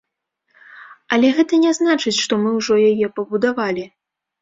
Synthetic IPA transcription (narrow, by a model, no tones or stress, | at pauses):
ɐlʲɛɣɛt̪ɐnʲɛznat͡ʂɨt͡sʲʂt̪ɔmɨwʐɔjajɛpɐbud̪avalʲi